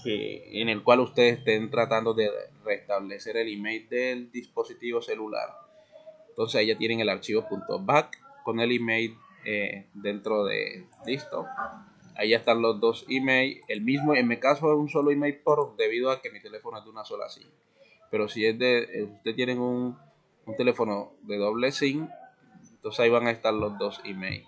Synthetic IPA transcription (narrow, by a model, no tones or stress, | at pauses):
sḭḛne̞lkwalust̪eðsest̪ent̪ɾat̪and̪o̞ðe̞rest̪aβle̞se̞ɾe̞limejld̪e̞ld̪ispo̞sit̪iβose̞lula̰ɾ | ent̪o̞nsesaeʝat̪jeneŋe̞laɾt͡ʃiβo̞punt̪o̞̰βakko̞ne̞limejl | ed̪e̞nt̪ɾo̞ðḛlist̪o̰ | a̰iaest̪anlo̞zdðo̞simejle̞lmizmoeŋmikasoeunso̞loimejlpoɾd̪e̞βið̞oake̞mit̪e̞le̞fo̞noezðd̪eunaso̞la̰siŋ | pe̞ɾo̞sie̞zd̪est̪et̪jeneŋuŋ | unt̪e̞le̞fo̞noðe̞ðo̞βle̞siŋ | nt̪onsesaiβaŋaest̪aɾlo̞zd̪o̞simḛjl